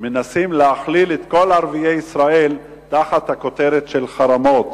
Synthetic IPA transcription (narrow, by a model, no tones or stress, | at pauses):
menasimleaχlilet̪ko̞laʁviejisʁael | t̪aχat̪hako̞t̪eɾet̪ʃelχaɾamo̞t̪